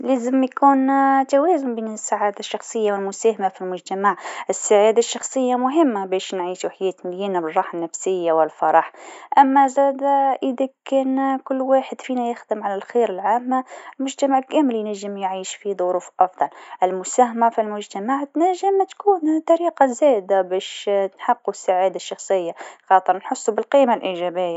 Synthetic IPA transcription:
leːzɪmjkuːnt̪awæːzʊmbiːnɪsːaʕaːd̪aʃːɑxsˤɨjːawɪlmʊsæːhamafilmʊʒt̪amaʕʔɪsːaʕaːd̪aʃːɑxsˤɨjːamʊɦɪmːabeːʃnʕiːʃuħajɛːt̪mɪljiːnabɪrˤːɑːħanːafsɪjːawɪlfɑɾˤɑħʔamːazæːd̪aʔɪd̪akɛːnkʊlːwaːħɪd̪fiːnajɪxd̪ɪmʕalalxeːɾɪlʕaːmːalmʊʒt̪amaʕɪlkeːmɪljnaʒːɪmjʕiːʃfiðˤʊɾuːfʔɑfd̪ˤɑlʔɪlmʊsaːɦmafilmʊʒt̪amaʕt̪næʒɪmt̪kuːnt̪ɑɾiːqazeːd̪abeːʃnħɑqːusːaʕaːd̪aʃːɑxsˤɨjːaxɑːt̪ˤɨɾnħʊsːubɪlqiːmalʔiːʒæːbɪjːa

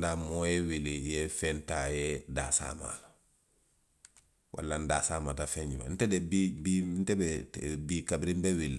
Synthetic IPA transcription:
damojewilijefentajeda̰ːsa̰ma̰la | wa̰lːandaːsaːmatafeɲd͡ʒuma̰ntedebibintebebikabɾimbewilːi

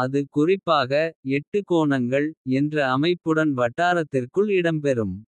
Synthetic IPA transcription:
ɐðɯkʊrɪpːaːɣɐɛʈːɯkoːnɐŋɡɐɭɛndrɐːmɐɪpːɯɽɐnʋɐʈːaːɾɐt̪ːɪrkɯɭɪɽɐmpɛɾɯm

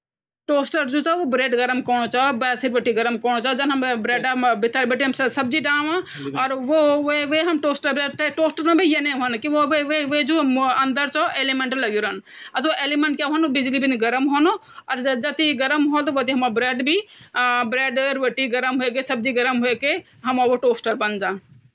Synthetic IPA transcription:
ʈoːsʈəɾd͡ʒut͡ʃaʋobɾeːɖɡɐɾəmkɔːñot͡ʃaːobɛːsiɾʋɐʈiɡɐɾəmkɔːnot͡ʃaːɦod͡ʒɐnɦɐmbɾeːɖabɪt̪əɾbɐʈiɦɐmssɐb̚d͡ʒiʈaːʋã | ɔːɾʋoʋeʋeɦɐmʈoːsʈəɾbɾeʈ̪ʈoːsʈəɾmãbʱijeneʋənkioʋeʋeʋed͡ʒuɐnd̪əɾt͡ʃɔʔeːlimeɳʈlɐɡjiɾən | ɐt̪oʔeːlimẽɳʈ̚kjaɦonubɪd͡ʒlibiniɡɐɾəmɦoːno | ɔɾɐd͡ʒɐt̪iɡɐɾəmɦoːt̪ʋot̪iɦɐmabɾeːɖbibɾeːɖɾʋəʈiɡɐɾəmɦuekesɐb̚d͡ʒiɡɐɾəmɦueke | ɦɐmaʋoʈoːsʈəɾbɐnd͡ʒãː

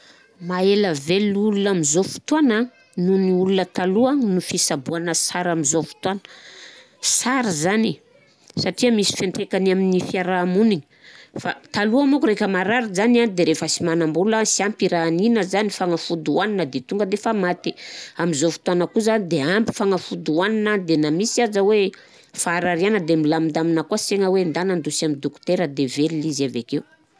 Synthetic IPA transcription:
maeləvelulunamizofu̥t̪uan | nuniulunət̪aluənufisabuanəsaɾamizofu̥t̪uanə̥ | saɾizani | saʈ͡ʂiəmisi̥feɳʈ͡ʂekanaminifiaɾamuniɲi̥ | fa̰t̪aluamukuɾekəmaɾaɾizanianid̪eɾefəsimanambuləsiampiɾaːninəzanifaŋafud̪uaninəd̪et̪uŋɡəd̪efamat̪iamizofi̥t̪uanəkuzanid̪eampi̥faŋafud̪uaninad̪enamisiazəwe | faːɾaɾianəd̪emilamind̪aminəkuaseŋəwend̪anand̪usamind̪okt̪eɾəd̪evelilizavekeu

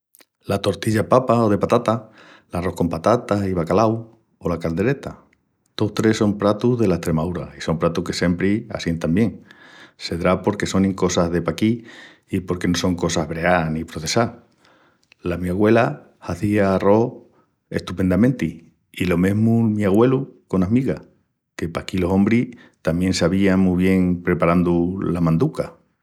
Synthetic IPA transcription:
lat̪o̞ɾt̪iʎapapaoð̞e̞pat̪at̪a | laro̞hko̞mpat̪at̪aiβ̞akalaw | o̞lakald̪e̞ɾe̞t̪a | t̪ot̪ɾe̞so̞mpɾat̪uɦðe̞laest̪ɾe̞maðuɾaiso̞mpɾat̪uhke̞se̞mpɾia̰sjent̪ambje̞ŋse̞ðɾapo̞ɾke̞so̞nĩŋko̞saɦðe̞pakiː | po̞ɾke̞no̞so̞ŋko̞saɦβɾe̞anipɾo̞θe̞sa | lamiaɣwe̞la | haθiaːro̞ | e̞̰ht̪upe̞nd̪amẽnt̪iː | lo̞me̞ɦmumiaɣwe̞luko̞namiɣa | ke̞pakilo̞sõ̞mbɾi | t̪amjẽ̞nsaβiaŋmuβ̞je̞ŋpɾe̞paɾand̪ulamãnd̪uka

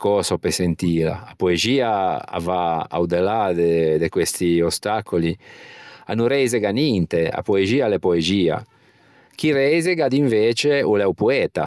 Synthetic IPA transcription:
kɔːsopesent̪iːla̰apoeziːaa̰vaa̰wd̪elad̪ed̪ekwest̪iost̪akoli | a̰nuɾɛjzeɡanint̪ea̰poeziːalepoeziːa̰ | k̟iɾɛjzeɡad̪iɱveːt͡ʃeulɛwpuɛːt̪a̰

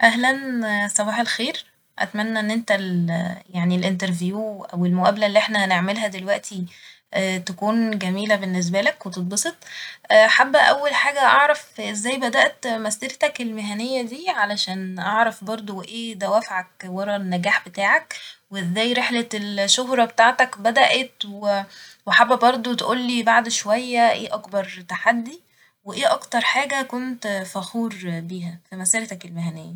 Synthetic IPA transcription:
ʔæɦlænsˤɑbɑːħælxeːɾ | ʔæ̰t̪mænːæʔenːʔent̪æljaʕnilʔent̪̬eɾvjuːʔæwelmoʔæːblælːiːʔeħnæneʕmelɦæd̪elwæʔt̪i | ʔæːt̪ækuːnɡæmiːlæbenːes̬bælækwet̪et̪̚ˤbɑsˤet̪ˤːħabːæʔæwːælħaːɡæʔɑʕɾˤɑfʔezːæːjbæd̪æʔt̪mæsd̪eɾt̪ækelmeɦænejːæd̪iːʕalæʃæːnʔɑʕɾˤɑfbɑɾˤd̪ˤowʔeːd̪æwæfʕæk̚wɑɾˤɑnːæɡæːħbet̪aːʕækweʔezːæːjɾeħlelʃoɦɾˤɑbet̪aːʕt̪ækbæd̪æʔet̪weweħabːæbɑɾˤd̪ˤot̪ʔuːlːiːbaʕd̪ʃowæjːæʔeːʔɑkbɑɾˤt̪aħad̪ːi | weʔeːʔɑkt̪ɑɾˤħaːɡækont̪fæxuːɾbiːɦæfimæseɾt̪ækelmeɦænejːæ

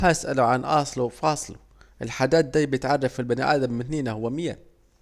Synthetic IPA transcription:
aʔsʔaluʕanʔɑ̰ːsˤlufɑːsˤlṵ | ʔɪlħad̪aːt̪̚d̪aːbjɪt̪ʕɑrˤːɑfɪlbanḭʔaːd̪amːɪnθniːnahʊwːamɪjːa̰

